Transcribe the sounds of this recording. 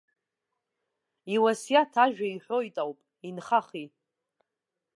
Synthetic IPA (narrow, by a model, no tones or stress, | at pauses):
iwasjatʰaʒᶣaiħʷo̞jtʼawpʼ | inχaχi